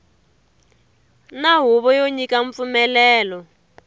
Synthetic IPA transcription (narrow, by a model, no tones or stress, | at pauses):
naɦuβɔjoɲikaɱp̪fumɛlɛːlɔ